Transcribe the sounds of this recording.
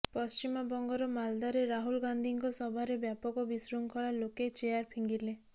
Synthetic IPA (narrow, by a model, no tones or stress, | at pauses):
pɔst͡ʃimɔbɔŋɡɔɾɔmald̪aɾeɾaɦulɡand̪ʱiŋkɔsɔbʱaɾebjapɔkɔbisɾuŋkʰɔɭaloket͡ʃeaɾpʰiŋɡile